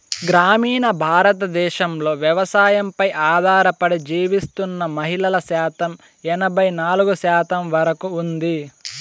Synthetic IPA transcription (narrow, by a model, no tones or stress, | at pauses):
ɡɾaːmiːnɐbʱaːɾɐt̪ɐd̪ɛːʃɐmlo̞ːʋjɛʋɐsaːjɐmpɐjʔaːd̪ʱaːɾɐpɐɽid͡ʒiːʋist̪unːɐmɐɦilɐlɐʃaːt̪ɐm | ɛnɐbʱɐjnaːluɡuʃaːt̪ɐmʋɐɾɐkuːnd̪i